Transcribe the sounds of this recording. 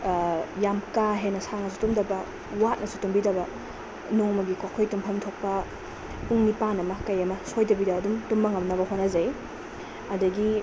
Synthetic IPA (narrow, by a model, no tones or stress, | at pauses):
jamkaɦenɐsaŋɐs̬u̥tumdɐbɐ | wat̚nɐsu̥tumbidɐbɐ | noŋmɐɡikokʰojtumpʰɐmtʰok̚pɐ | puŋnipanɐmɐkɐjɐmɐsojdɐbidɐːdumtumbɐŋɐmnɐβɐhonɐzɐj | ɐdɐɡi